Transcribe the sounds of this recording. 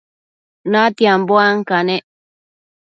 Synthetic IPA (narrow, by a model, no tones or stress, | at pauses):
nat̪iamboaŋkaneʔ